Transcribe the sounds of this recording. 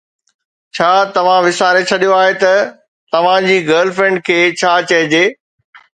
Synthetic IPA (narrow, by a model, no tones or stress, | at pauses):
t͡ɕʰaːt̪ɐʋ̤ãʋɪsaːɾet͡ɕʰɐɗijoaːɦet̪ɐ | t̪ɐʋ̤ãd͡ʑiːɡɐːlfɾẽːɳɖ̚kʰeːt͡ɕʰaːt͡ɕɐɦɪd͡ʑeː